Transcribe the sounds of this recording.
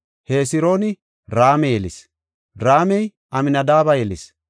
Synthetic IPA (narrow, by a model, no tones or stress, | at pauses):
he̞ːsɪɾo̞ːnɪ | ɾaːmɛjɛlɪs | ɾaːmɛj | ʔɐmɪnɐd̪aːβɐjɛlɪs